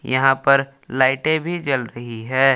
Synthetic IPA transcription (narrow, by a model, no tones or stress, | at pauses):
jɐɦãpɐɾ | laːɪʈẽbʱid͡ʒɐlɾɐɦiɦɛː